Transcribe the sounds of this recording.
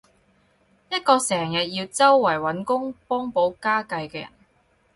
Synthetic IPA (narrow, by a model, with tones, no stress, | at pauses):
jɐ˥t̚kɔː˧sɛː˨˩ŋjɐ˨t̚jiː˧wt͡sɐ˥wːɐ˨˩jwɐ˨˥nkʊ˥ŋpɔː˥ŋpo˨˥wkaː˥kɐ˧jkɛː˧jɐ̰˨˩n